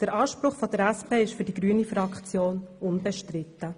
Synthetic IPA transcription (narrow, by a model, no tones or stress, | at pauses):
d̪̥əɾʔɑːʃpɾʊχfɔd̥̪əɾæspʰeːɪʃfyɾd̥iɡɾyːənifɾɑkχt͡sjoːnʊnbɛʃtɾɪt̪ːə